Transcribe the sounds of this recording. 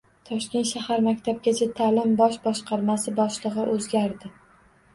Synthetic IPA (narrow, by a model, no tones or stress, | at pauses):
t̪ʰɒʃkʲe̞nt̪ʃahaɾmakʲt̪ʰab̚ɡʲat͡ʃʰat̪ʰalɪmbɒʃbɒʃqɑɾmasɪbɒʃlˠɨʁɨʔɵzɡʲaɾd̪ɪ